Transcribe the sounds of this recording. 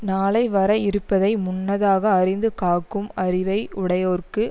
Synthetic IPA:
naːlɐɪʋɐɾɐɪɾɯpːɐðɐɪmʊnːɐðaːɣɐːrɪnd̪ɯkaːkːɯmɐɾɪʋɐɪʊɽɐjoːrkɯ

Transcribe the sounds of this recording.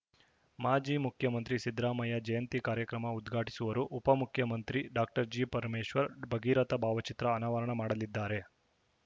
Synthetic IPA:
maːd͡ʒiːmukʰjɐmɐnt̪ɾisid̪ɾaːmɐjɐd͡ʒɐjɐnt̪ikaːɾjɐkɾɐmɐud̪ɡʱaːʈi̥suʋɐɾuʔupɐmukʰjɐmɐnt̪ɾiɖaːk̚ʈɐɾd͡ʒiːpɐɾmeːʃʋɐɾbʱɐɡiːɾɐt̪ɐbʱaːʋɐt͡ʃit̪ɾɐːnaːʋɐɾɐɳɐmaːɽɐlid̪ːaːɾe̞

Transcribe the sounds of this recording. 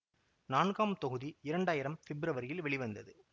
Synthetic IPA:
naːnɣaːmt̪ɔɣɯðiɪɾɐɳɖaːjɪɾɐmfɛbɾɐʋɐɾjɪlʋɛɭɪʋɐnd̪ɐðɯ

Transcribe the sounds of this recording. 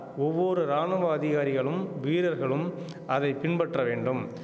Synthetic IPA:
ɔʋːɔɾɯɾaːnɯʋaːðɪɣaːɾɪɣɐɭɯmʋiːɾɐɾɣɐɭɯm | ʔɐðɐɪpɪɳpɐʈrɐʋeːɳɖɯm

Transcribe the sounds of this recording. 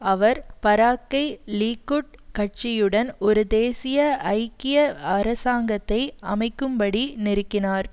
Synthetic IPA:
ɐʋɐɾpɐɾaːkːɐɪliːkːɯʈ̚kɐʈ̚t͡ʃɪjɯɽɐnɔɾɯd̪eːsɪjɐɐɪkːɪjɐɐɾɐsaːŋɡɐt̪ːɐɪɐmɐɪkːɯmpɐɽinɪɾɯkːɪnaːɾ

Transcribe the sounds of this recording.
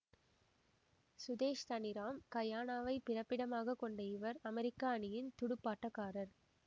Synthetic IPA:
sʊðeːʂt̪ɐnɪɾaːmkɐjaːnaːʋɐɪpɪrɐpːɪɽɐmaːɣɐkːɔɳɖɐɪʋɐɾɐmɛɾɪkːaːɐɳɪjɪnt̪ʊɽɯpːaːʈːɐkːaːɾɐɾ

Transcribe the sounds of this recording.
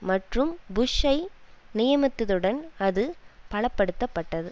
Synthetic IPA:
mɐʈrɯmbʊʂɐɪnɪjɐmɐt̪ːɯðɯɽɐnɐðɯpɐɭɐpːɐɽɯt̪ːɐpːɐʈːɐðɯ

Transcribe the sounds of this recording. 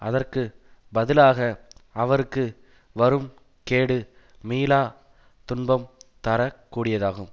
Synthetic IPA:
ɐðɐrkɯbɐðɪlaːɣɐɐʋɐɾɯkːɯ | ʋɐɾɯm | keːɽɯ | miːlaː | t̪ʊnbɐmt̪ɐɾɐkːuːɽɪjɐðaːɣɯm

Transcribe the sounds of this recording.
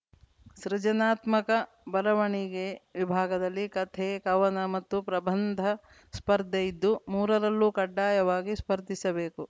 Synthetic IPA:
sɾid͡ʒɐnaːt̪mɐkɐ | bɐlɐʋɐɳiɡeʋibʱaːɡɐd̪ɐlːikɐt̪ʰeːkɐʋɐnɐmɐt̪ːupɾɐbɐnd̪ʱɐ | spɐɾd̪ʱɐid̪ːumuːɾɐɾɐlːukɐɖːaːjɐʋaːɡispɐɾd̪ʱisɐbe̞ːku

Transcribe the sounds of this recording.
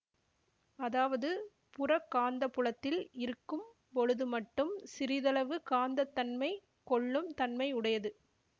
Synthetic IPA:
ɐðaːʋɐðɯ | pʊrɐkːaːnd̪ɐpːʊɭɐt̪ːɪlɪɾɯkːɯm | pɔɻɯðɯmɐʈːɯmsɪɾɪðɐlɐʋɯkaːnd̪ɐt̪ːɐnmɐɪ | kɔɭːɯmt̪ɐnmɐɪʊɽɐjɐðɯ

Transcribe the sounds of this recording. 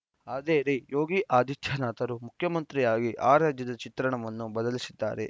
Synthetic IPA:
aːd̪eːɾijo̞ːɡiʔaːd̪it̪ʰjɐnaːt̪ɐɾumukʰjɐmɐnt̪ɾijaːɡiʔaːɾaːd͡ʒjɐd̪ɐt͡ʃit̪ɾɐɳɐʋɐnːubɐd̪ɐlisid̪ːa̰ːɾḛ

